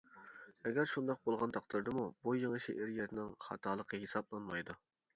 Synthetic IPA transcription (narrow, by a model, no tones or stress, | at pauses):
ɛɡʲæɾʃund̪ɑq̚bolˠʁɑnd̪ɑqt̪ɨɾd̪ɨmubujeŋɨʃiʔɪɾjɛt̪ʰɪnɪŋχɑ̰t̪ʰɑːlˠəqʰəɦesɑblˠɑnmɑjd̪u